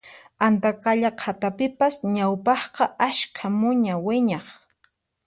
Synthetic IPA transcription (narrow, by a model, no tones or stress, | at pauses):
ant̪aqɑʎaqʰat̪apɪpasɲawpɑχqɑʔaʃkʰamʊɲawɪɲɑχ